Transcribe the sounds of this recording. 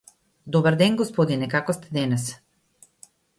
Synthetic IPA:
d̪ɔbaɾd̪ɛnɡɔspɔd̪inɛkakɔst̪ɛd̪ɛnɛs

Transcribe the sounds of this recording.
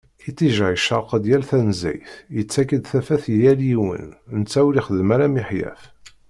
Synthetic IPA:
it̪t͡sːiʒæjʃɑɾqəd̪jælθænzæ̰jθjət͡sːækːəd̪θæfæθjjæljiwə̰nnət͡sːæwɾiχəðmæɾæmiħjæ̰f

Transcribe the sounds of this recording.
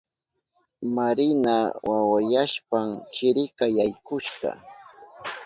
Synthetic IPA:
maɾɪnawawajaʃpamt͡ʃɪɾɪkɑjajkʊʃɢɑ̰

